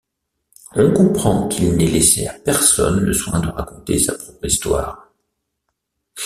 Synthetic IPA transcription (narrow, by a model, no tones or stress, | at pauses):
ɔkɔ̃pχɑ̃kʰilnɛlesḛapɛʁsɔ̰nləswɛ̃d̪əʁakɔ̃t̪esapχɔpχist̪wa̰ːʁ